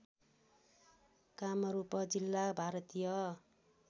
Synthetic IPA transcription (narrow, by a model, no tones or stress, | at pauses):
kamʌɾupʌd͡zilːabʱaɾʌt̪ijʌ